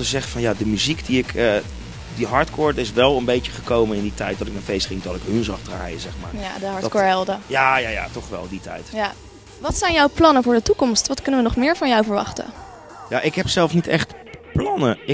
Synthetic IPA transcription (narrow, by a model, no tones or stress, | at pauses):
təzɛχəfɑnjadəmyzikdiɪkʰə | diɦɑɹtkʰʊːɹtɪsʋɛlˠənbejtəχəkowmənɪnditɛjt̚dɔtɪknafejstχɪŋdɔtɪkɦhɵnzɑχdra̰ːjəzɛχmaːɹjadəɦɑɹdkoːɹɛlˠdəjaːjaːja̰tɔχʋɛ̰lˠditɛ̰jtja | ʋɑtsɛjnjɔwplɑnəvʊːɹdətukɔmstʋɑtkɵnəʋənɔχmɪːɹvɑnjɔwvəɹʋɑ̰χtə̰ | jaʔɪkɦɛpsɛlˠfnitɛχt | plɑnəɪ